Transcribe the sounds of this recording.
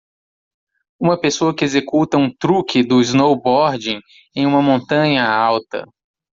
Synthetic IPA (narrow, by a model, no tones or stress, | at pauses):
ũmɐpesoɐkɪezekut̪ɐũt̪ɾukʰɪd̪ʊiznowbɔɾd͡ʒĩ | ẽj̃ũmɐmõnt̪ɐ̃ɲɐawt̪ɐ̰